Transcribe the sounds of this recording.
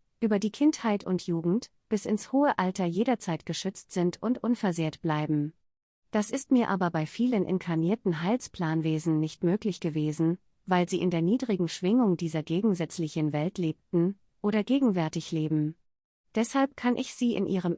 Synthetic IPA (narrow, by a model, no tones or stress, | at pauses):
ʔyːbɐdiːkʰɪnthaɪtʊntʰjuːɡŋ̩t | b̥ɪsɪnshoːəʔaltɐjeːɾɐt͡saɪtɡ̥əʃʏt͡stz̥ɪntʰʊntʔʊnfɛɐzeːɐtb̥laɪbm̩ | d̥asɪstmiːɐʔaːbɐbaɪfiːlənʔɪ̰nkʰaɐniːɐtn̩ɦaɪlspʰl̥aːnveːzn̩nɪçtmøːklɪçɡ̥əveːzn̩ | vaɪlziːʔɪndeːɐniːdʁɪɡŋ̩ʃv̥ɪŋʊŋdiːzɐɡeːɡŋ̩zɛt͡slɪçənvɛltʰleːp̚tn̩ | ʔoːɾɐɡeːɡŋ̩vɛɐtɪçleːbm̩ | d̥ɛshalp̚kʰanʔɪçz̥iːʔɪ̰nʔḭːʁ̞əm